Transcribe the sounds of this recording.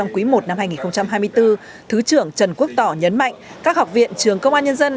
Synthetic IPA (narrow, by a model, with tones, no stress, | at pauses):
ɔ˧wŋ͡mkwi˨˦mo˨˩t̚na˧mhaː˧jŋi˨˩xə˧wŋ͡mt͡ɕa˧mɦaː˧jmɨ˧əjt̪ɨ˧ | t̪ʰɨ˨˦t͡ɕɨ˧˩əŋt͡ɕə˨˩nku˦˥ək̚t̪ɔ˧˩ɲə˨˦nma̰˧˨jŋ̟kaː˦˥k̚ha˨˩wk͡p̚vḭ˧˨ənt͡ɕɨ˨˩əŋkə˧wŋ͡mʔaː˧nɲə˧nzə˧n